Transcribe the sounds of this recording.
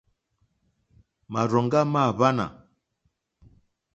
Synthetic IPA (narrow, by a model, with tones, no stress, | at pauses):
ma˨ɾɔ˨ŋɡa˦ma˦˨βa˦na̰˨